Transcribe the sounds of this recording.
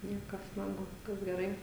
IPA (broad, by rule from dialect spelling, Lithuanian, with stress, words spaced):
ˈnʲiɛkɐs ˈmɐn ˈbʊʋoː ˈʋʲɪskɐs ɡʲɛˈrɐɪ